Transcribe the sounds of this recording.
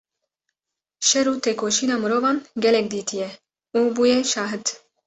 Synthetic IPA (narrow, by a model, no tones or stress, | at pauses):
ʃɛɾuːt̪ʰeːkoːʃiːnɑːmɨɾoːvɑːnɡʲɛlɛk̚d̪iːt̪ʰijɛ | uːbuːjeʃɑːɦɨt̪